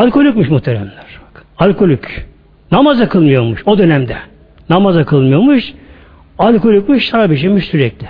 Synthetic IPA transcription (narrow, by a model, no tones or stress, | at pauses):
alʲkʰo̞lʲycmɯʃmuht̪ʰeɾɛmlʲæɾ̥bḁkalʲkʰo̞lʲyc | namazakʰɯlˠmɯjo̞ɾmuʃo̞d̪ø̞nɛmd̪ɛ | namazakʰɯlˠmɯjo̞ɾmuʃ | alʲko̞lʲykcmuʃsaɾabiʃ̬emiʃsyɾɛclʲɪ